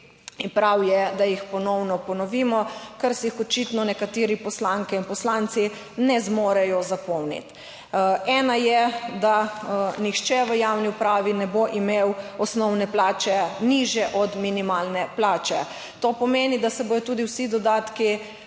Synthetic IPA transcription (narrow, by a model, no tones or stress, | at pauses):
inpɾawjɛd̪ajixpɔnɔwnɔpɔnɔʋimɔkɐɾsiixɔt͡ʃit̪nɔnɛkat̪ɪːɾipɔslaŋkɛinpɔslant̪si | nɛzmoːɾɛjɔzapɔwnḭt̪ | ɛːnajɛd̪anixt͡ʃɛʋəjawniupɾaːʋinɛboʔimewɔsnɔwnɛplaːt͡ʃɛniʒjɛʔɔd̪minimalnɛplaːt͡ʃɛ | t̪opɔmeːnid̪asɛboːjɔt̪uːd̪iwsid̪ɔd̪aːt̪ki